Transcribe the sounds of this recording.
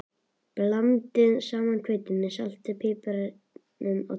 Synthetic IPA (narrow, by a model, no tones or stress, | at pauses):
plamt̪ɪðsaːmankʰveːjt̪ɪnmɪsal̥t̪ɪpʰɪːpaɾ | nʏma̰